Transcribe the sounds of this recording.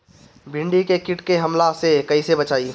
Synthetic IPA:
bʱɪ̃ɳɖikekɪʈkeɦɐmlasekɐisebɐt͡ʃaːiː

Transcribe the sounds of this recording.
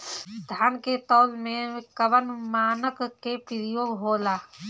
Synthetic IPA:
d̪ʱaːnket̪ɔːlmẽkəʋənmaːnəkkːepɪɾɪjoːɡɦoːlaː

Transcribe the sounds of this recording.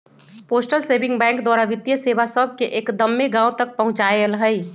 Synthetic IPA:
poːsʈəlseːbɪ̃ŋɡbɛ̃ːŋkd̪waːɾaʋɪt̪jəseːʋasəb̚ʱkeʔeːkd̪əmːeɡãːʊt̪ɐk̚pɐɦʊ̃t͡ʃaːelɦəi

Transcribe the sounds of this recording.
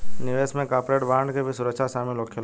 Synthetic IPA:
nɪʋeːsmẽkaːpɾeːʈbaːɳɖkebʱisʊɾəkʃʰaʃaːmɪloːkʰːel

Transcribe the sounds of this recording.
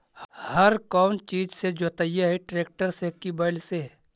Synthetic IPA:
hɐɾkɔːnt͡ʃiːd͡ʒsed͡ʒoːt̪ajaɦeʈɾeːk̚ʈəɾsekibaɪlse

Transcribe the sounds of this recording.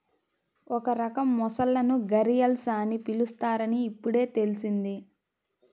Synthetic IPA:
ɔkɐɾɐkɐmːɔsɐlːɐnuɡɐɾijɐlsaːnipilust̪aːɾɐniːpːuɽe̞ːt̪e̞lisind̪i

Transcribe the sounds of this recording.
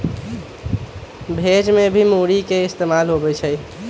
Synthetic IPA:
bʱed͡ʒmebʱimuɽikeɪst̪emalɦobɛt͡ʃʰəj

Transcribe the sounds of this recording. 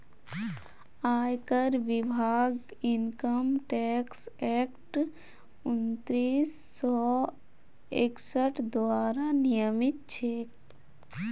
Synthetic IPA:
aːjkəɾʋɪbʱaːɡ | ɪŋkəmʈɛːksɛːkʈ | ʊnt̪ɾiːsːɔː | eksəʈd̪waːɾanijəmɪt̪̚t͡ʃʰeːk

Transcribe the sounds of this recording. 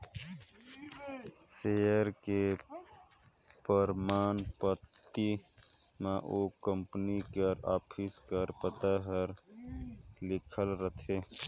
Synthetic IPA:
seːəɾke | pəɾmaːnpət̪ːi | mãʔokə̃mpnikəɾaːpʰiskəɾpət̪aɦəɾ | lɪkʰəlɾət̪ʰe

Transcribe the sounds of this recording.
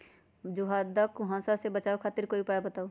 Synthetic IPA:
d͡ʒuɦaːd̪akuɦãːsasebət͡ʃaːokʰaːt̪iɾkoːipaːjbɐt̪aːo

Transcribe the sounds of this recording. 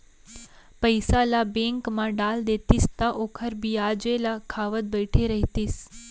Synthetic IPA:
pəjsalabeŋkmãɖald̪et̪ist̪aʔokʰəɾbiad͡ʒelakʰaʋət̪̚bəjʈʰeɾəɦit̪is

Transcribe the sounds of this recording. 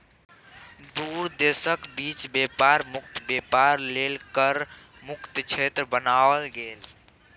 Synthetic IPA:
d̪uɾd̪esəkbit͡ʃbepaɾmukt̪bepaɾlelkəɾ | mukt̪t͡ʃʰet̪ɾəbənaəlɡel

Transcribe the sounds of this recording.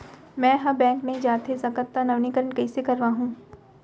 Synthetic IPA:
mɛ̃ːɦɐ̃bɛ̃ːŋkneɦĩd͡ʒaːt̪ezɐkət̪ːanɐʋnikəɾəɳkɐisekɐɾʋaɦũː

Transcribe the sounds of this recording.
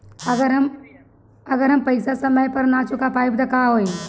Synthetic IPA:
ɐɡəɾɦm | ɐɡəɾɦɐmpɐɪsasɐməjpɐɾnat͡ʃʊkapaːɪbd̪akaɦoːi

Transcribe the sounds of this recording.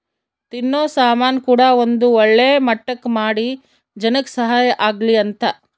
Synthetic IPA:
t̪inːoːsaːmaːnkuːɽɐʋond̪uɔɭːeːmɐʈːɐkːmaːɽi | d͡ʒɐnɐksɐɦaːjɐʔaːɡliɐnt̪ɐ

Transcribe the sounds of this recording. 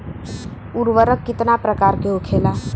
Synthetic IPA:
uɾʋəɾəkːɪt̪napɾəkaːɾkeɦokʰeːlaː

